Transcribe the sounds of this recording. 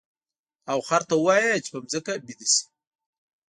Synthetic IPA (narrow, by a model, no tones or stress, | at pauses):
awxaɾt̪awɑjat͡ʃi̥pəmzəkabid̪isi̥